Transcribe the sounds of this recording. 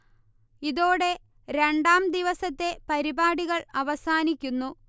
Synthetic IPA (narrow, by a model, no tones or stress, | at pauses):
iðo̞ːɽe̞ | ɾe̞ɳɖaːmd̪iʋɐsɐt̪ːe̞pɐɾibaːɽiɣɐɭɐʋɐsaːnikʲːunːu